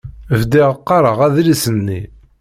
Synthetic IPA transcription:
vd̪iʁəqːɑɾˤəʁæðlisənːḭ

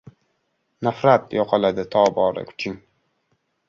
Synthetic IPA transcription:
nafɾat̪jɒqʰɑlad̪ɪt̪ʰɒːbɒːɾɪ̰kʲʰʊ̥t͡ʃʰɪŋ

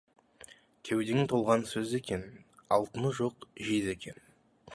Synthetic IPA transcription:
kʲʰewd̪eŋɪt̪ʰo̞lˠʁɑnsɵze̞kʲe̞nɑ̰lˠt̪ənəʒo̞qʒize̞kʲʰe̞n

